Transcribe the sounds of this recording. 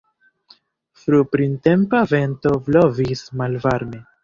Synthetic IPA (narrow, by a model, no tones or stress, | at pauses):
fɾupɾinte̞mpave̞nto̞vlo̞vismalvaɾme